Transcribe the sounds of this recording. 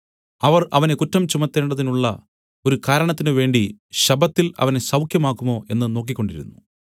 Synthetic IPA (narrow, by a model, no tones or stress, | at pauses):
ɐʋɐrɐʋɐne̞kutːɐmt͡ɕumɐt̪ːe̞ːɳɖɐðinuɭːɐ̰ | o̞ɾukaːɾɐɳɐt̪ːinɨʋe̞ːɳɖiɕɐbɐt̪ːilɐ̰ʋɐneɕɐwkʰjɐmaːkːumo̞ːʔe̞nːɨno̞ːk̬ːikʲːo̞ɳɖiɾṵnːu